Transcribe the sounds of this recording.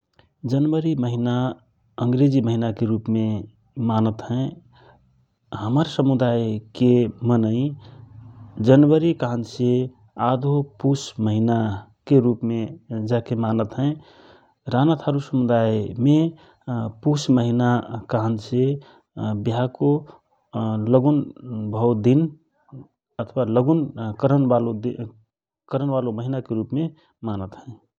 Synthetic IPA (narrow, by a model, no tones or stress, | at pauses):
d͡ʒənwəɾiməɦina | əŋɡɾed͡ʒiməɦinakeɾupme | manət̪ɦɛ̃ | həməɾsəmud̪ajkemənəĩ | d͡ʒənwəɾikəɦənse | ad̪ʱopusməɦinakeɾupmed͡ʒakemanət̪ɦɛ̃ | ɾanat̪ʰaɾusəmud̪aime | pusməɦinakəɦənse | biɦako | ləɡunbʱəwd̪in | ət̪ʰwaləɡunkəɾənʋalod̪i | kəɾənʋaloməɦinakeɾupme | manət̪ɦɛ̃ɪ